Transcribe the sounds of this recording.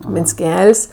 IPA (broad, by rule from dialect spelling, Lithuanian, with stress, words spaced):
mʲɪnʲsʲˈkʲɛlʲsʲ